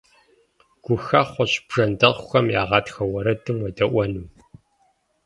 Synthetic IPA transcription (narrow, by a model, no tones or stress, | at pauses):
ɡ̥ʷʊxɐχʷɔɕb̥ʐ̥ɐndɐʁʊxɐmjaːʁɑːtxɐwɐɾɐdɨmwɐdɐʔʷɔnuː